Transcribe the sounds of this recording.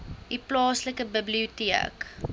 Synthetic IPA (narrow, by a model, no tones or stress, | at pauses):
ʔiplɑːsləkəbəbliutiə̰k